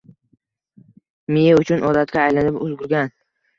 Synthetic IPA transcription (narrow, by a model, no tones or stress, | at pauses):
mɪjaʊt͡ʃʰʊnʔɒd̪at̪̚kʲaːjlanɪpʊzɡʊɾɡʲan